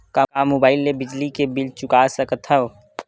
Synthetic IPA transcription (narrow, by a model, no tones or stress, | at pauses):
kaamobaːɪlːebɪd͡ʒlikebɪlt͡ʃʊkaːsɐkət̪ʰɐo